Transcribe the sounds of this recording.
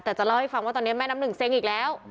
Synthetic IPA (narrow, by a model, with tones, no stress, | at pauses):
t̪aː˨˩t͡ɕɔ˧˩ləː˧jfa˨˩ŋ͡mt̪ɔː˨˩n˧˦ma˧jna˨˧˦mɗɨ˨˩ŋsɛ˧ŋi˨˩k̚lɛ˨˦w